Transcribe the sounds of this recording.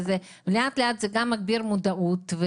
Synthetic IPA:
ze | veleat̪leat̪zeɡamːaɡ̚biɾmod̪aʔut̪ve

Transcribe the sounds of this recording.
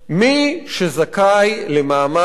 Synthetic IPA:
miʃezakajlemaːma

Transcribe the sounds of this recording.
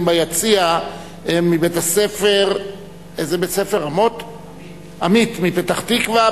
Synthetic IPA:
mbajat͡sia | emːibet̪asefeʁ | ezebetsefe̞ʁamo̞t | amit̪mipet̪aχt̪ikvaa

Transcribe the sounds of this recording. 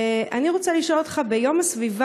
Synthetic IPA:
ʔaniʁot͡saliʃolot̪χabejo̞masviva

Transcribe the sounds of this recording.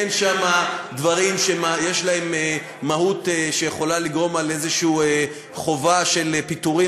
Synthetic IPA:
enʃamadvaʁimʃemajeʃlahe̞meː | ahuteʃejeχo̞laliɡʁo̞male̞zeʃiue | χo̞vaʃe̞lepit̪uʁi

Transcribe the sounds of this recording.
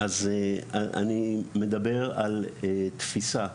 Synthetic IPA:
az | a̰nime̞d̪abe̞ʁalet̪fisa

